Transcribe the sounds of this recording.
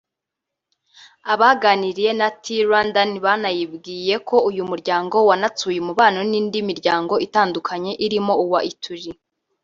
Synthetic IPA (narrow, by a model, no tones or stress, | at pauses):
aβaɡaniɾije̞natʰiɾwandaniβanajibɡiːje̞kʰo̞ujumuɾɟaːŋɡo̞wanat͡suːjemuβaːno̞niːndimiɾɟaːŋɡo̞ʔitaːndukʰaɲe̞ʔiɾimo̞uwaʔitʰuʒi